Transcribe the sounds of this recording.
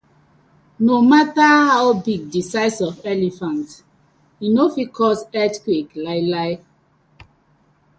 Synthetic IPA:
nomatahaʊbiɡ̚disaɪsɔvɛlifãnt | inofikʰɔsɛtkweklaɪlaɪ

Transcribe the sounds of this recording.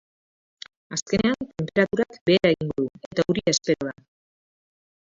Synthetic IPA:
aske̞ne̞ant̪e̞mpe̞ɾat̪uɾakbe̞ːɾaeɣiŋɡoðue̞t̪auɾiaespe̞ɾoβa

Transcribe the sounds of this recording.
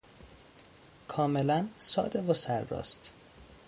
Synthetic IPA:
kʰɒːmelænsɒːd̪evosæɾːɒ̰ːst̪

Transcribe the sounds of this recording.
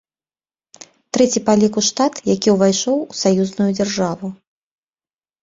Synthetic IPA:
t̪ɾɛt͡sʲipalʲikuʂt̪at̪jakʲiwvajʂɔwusajuznujud͡zʲarʐavu

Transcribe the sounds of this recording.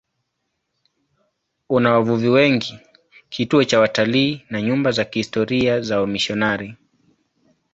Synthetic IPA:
unawavuviwɛŋɡi | kʰituɔt͡ʃawataliːnaɲumbazakihistɔɾiazaɔmiʃɔnaɾi

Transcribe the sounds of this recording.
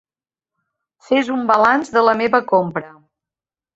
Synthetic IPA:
fezumbəlanzðələmeβəkompɾə

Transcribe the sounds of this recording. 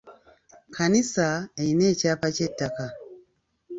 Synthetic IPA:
kʰanisaeine̞ːcaːpacetːaka

